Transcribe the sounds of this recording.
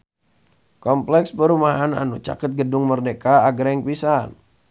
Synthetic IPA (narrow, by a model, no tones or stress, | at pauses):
kɔmplɛkspəɾumaɦana̰nut͡ʃa̰kɪt̪̚ɡədʊŋmərdekaːɡɾɛŋpisan